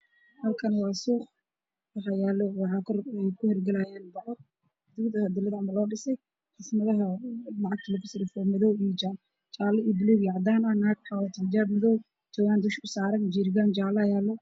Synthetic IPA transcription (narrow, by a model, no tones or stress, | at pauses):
hɐlkʰɐnwɑːsuːχ | wɑħɑjaːlɔwɑħɑːkʰɔrɛjkʰʊhɛrɡɐlajaːnbɐʕɔ | d̪ʊɡd̪ɐhɐd̪ɪlɐðamɐlɔːɖɪsɛj | ħɪsmɐðɐɦɐlɑʕɑɡ̚t̪ʰɐlɐkʰʊsɪlɪfɔmɐðɔwijd͡ʒaː | t͡ʃaːlɐiːjbɪlɔwjɑʕd̪aːnɐnaːɡ̚ħɑwɐt̪ʰɐnd͡ʒaːbmɪðɔw | t̪ʰɔɣaːnd̪ʊʃʊsaːɾɐnd͡ʒiːɾɪɣaːnd͡ʒaːlɐjaːlːɔ